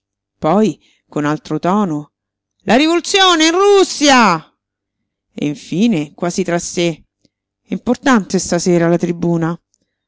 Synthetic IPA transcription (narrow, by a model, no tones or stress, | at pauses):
pɔj | konalt̪ɾot̪ɔːno | lʔaɾivolut̪sːjoːneinrusːja | ḛiɱfiːnekwaːzit̪ɾasːe | import̪ant̪est̪aseːɾalat̪ɾibuːna